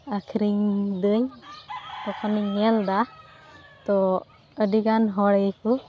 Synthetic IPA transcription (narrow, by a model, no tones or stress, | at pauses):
akʰɾiŋd̪ɯɲ | ɔkʰaniɲːɛld̪a | t̪ɔ | ədiɡanɦɔɽɡɛku